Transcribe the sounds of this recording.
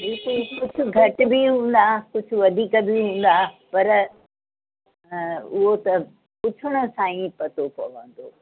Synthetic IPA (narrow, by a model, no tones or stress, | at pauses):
ɦeːkukʊd͡ʑʱʊ̆ɡʱɐʈʊ̆biɦũːn̆d̪akʊd͡ʑʱʰʊ̆ʋɐd̪ʱiːkəbiɦũːn̆d̪apɐɾ | ʊɦot̪ɐ | pʊt͡ɕʰʊɽ̃ʊ̆sãːĩpɐt̪opɐ̰ʋə̰̃nd̪oː